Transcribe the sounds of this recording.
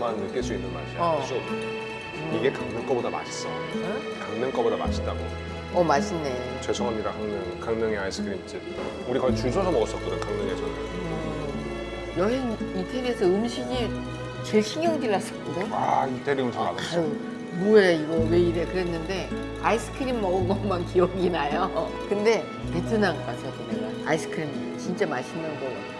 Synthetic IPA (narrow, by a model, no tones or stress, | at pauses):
mannːɯk͈iɭs͈uinːɯnma̰ɕiʌsʰo | iɡe̞kaŋnɯnk͈ʌbodama̰ɕʰi̥s͈ʌ | kaŋnɯŋk͈ʌbodama̰ɕʰit͈aɡo̰ | ʌmaɕ͈ʰɯmne | t͡ɕwesʰʌŋɦamɲidakaŋnɯŋkaŋnɯŋeais͈ʰɯ̥kʰɯɾimt͡ɕʰɯ | uɾikait͡ɕuɭsʰosʰʌmʌɡʌs͈ʌt̚k͈onekaŋnɯŋed͡ʑʰʌ | jʌɦe̞nitʰeɾiesʰʌɯmɕʰiɡi | t͡ɕe̞ɭɕʰiŋjʌŋdiɭːas͈ʌk͈udeaitʰeɾiumnsʰaa̰a | mueiɡʌwe̞iɾe̞kɯɾe̞nːɯnde̞ | aisʰɯ̥kʰɯɾimːʌɡɯnɡʌŋmankiʌɡinajo | kɯnde̞ | petʰɯnaŋk͈asʰʌt͡ɕinaɡa | a̰is͈ʰɯ̥kʰɯɾim | t͡ɕint͡ɕ͈amaɕʰinːʌnɡʌɡa